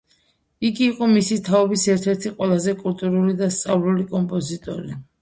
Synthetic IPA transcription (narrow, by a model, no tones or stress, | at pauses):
iɡiːqʼɔmisit̪ʰaɔbisɛɾt̪ʰɛɾt̪ʰiqʼwɛlˠazɛkʼult̪ʼuɾulid̪ast̪sʼavlulikʼɔmpʼɔzit̪ʼɔ̰ɾi